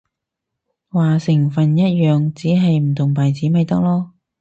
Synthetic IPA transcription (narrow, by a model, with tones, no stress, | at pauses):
waː˨sɪ˨˩ŋfɐ˨njɐ˥t̚jœː˨ŋt͡siː˨˥ɦɐ˨jm̩˨˩t̪ʰʊ˨˩ŋpɐ˨jt͡siː˨˥mɐ˨jt̪ɐ˥k̚lɔː˥